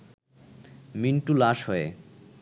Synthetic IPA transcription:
minʈulaʃɦɔe

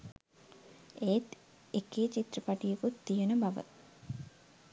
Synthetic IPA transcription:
eːt̪ | ekeːt͡ʃit̪rəpaʈijekut̪ːijenəbaʋə̰t̪̚

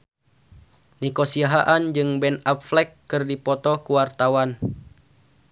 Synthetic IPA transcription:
nikosiaɦaʔand͡ʒɨŋbɛnapflɛkːɨrdipɔt̪ɔkuwart̪awan

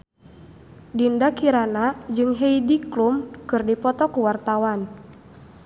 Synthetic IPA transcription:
dindakiɾanad͡ʒɨŋɦeidiklumkɨrdipɔt̪ɔkuwart̪awan

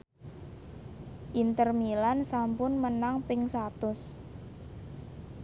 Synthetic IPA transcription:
ʔint̪ərmilansampʊnmənaŋpɪŋsat̪ʊs

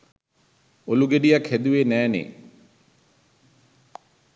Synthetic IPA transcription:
oluɡeɖijakhed̪uʋeːnæːnḛ

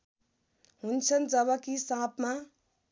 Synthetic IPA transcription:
ɦunt͡sʰʌnd͡zʌbʌkisãpma

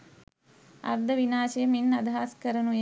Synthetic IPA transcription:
a̰ɾd̪əʋinaːʃejəminːad̪ɦaːskəɾənuj

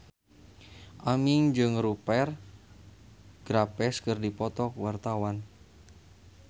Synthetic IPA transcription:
ʔamɪŋd͡ʒɨŋɾupɛr | ɡ̥ɾapɛskɨrdipɔt̪ɔkwart̪awan

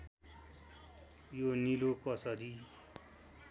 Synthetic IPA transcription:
jonilokʌsʌɾi

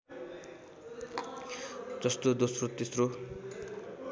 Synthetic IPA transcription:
d͡zʌst̪od̪osrot̪esro

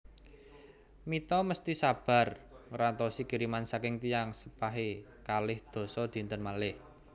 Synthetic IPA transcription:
mit̪ɔməst̪isab̥a̤rŋɾant̪ɔsiɡ̥ə̤ɾimansakɪŋt̪ijaŋsəpaɦe | kalɪhd̪̥o̤sɔd̪̥i̤nt̪ənmalɪh

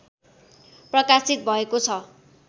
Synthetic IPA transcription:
prʌkasit̪̚bʱʌekot͡sʰʌ

